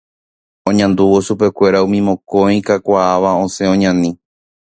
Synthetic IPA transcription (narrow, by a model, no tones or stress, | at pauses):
õɲãnd̪uʋoʃupe̞kʷe̞ɾaũmĩmõ̞kõĩkakʷaːʋaõsẽ̞õɲãnĩ